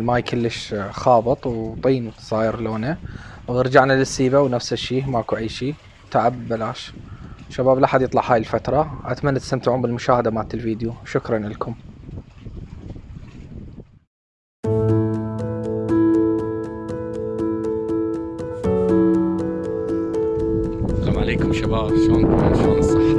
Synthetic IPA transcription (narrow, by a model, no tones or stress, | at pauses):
majkʰɪlːəʃxɑːbɨt̪ˤwt̪ˤiːnsˤɑːjɪɾloːnawɾd͡ʒaʕnalɪsːiːbawnafsaʃːiːmaʔkuʕiːʃi | t̪aʕabːalaːʃʃabaːblʔaħad̪jɨt̪ˤlɑʕhaːjɪlfat̪ɾˤɑʔat̪manːat̪st̪amt̪aʕuːmbɪlmʊʃaːhad̪amaːt̪ɪlfiːd̪juʃʊkɾˤɑnɪlkʊm | ɣamʕaleːkʊmʃabaːbsuːmsuːnsˤɑħː